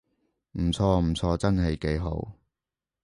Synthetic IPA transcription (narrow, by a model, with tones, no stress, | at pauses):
m̩˨˩t͡sʰɔː˧m̩˨˩t͡sʰɔː˧t͡sɐ˥nɦe˨˧jke˨˧jɦo̰˧˥w